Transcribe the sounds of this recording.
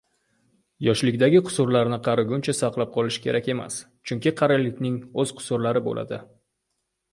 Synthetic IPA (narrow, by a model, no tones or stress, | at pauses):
jɒʃlɪkʲd̪aɡʲɪqʰʊ̥sʊɾlaɾnɪqʰɑɾɪɡʲʊnt͡ʃʰasɑqlˠap̚qʰɒlˠɪʃɪ̥kʲʰe̞̰ɾakʲe̞ma̰s | t͡ʃʰʊŋkʲɪqʰɑɾalɪkʲnɪŋɵz̥qʰʊ̥sʊɾlaɾɪbo̰lʔa̰d̪ɪ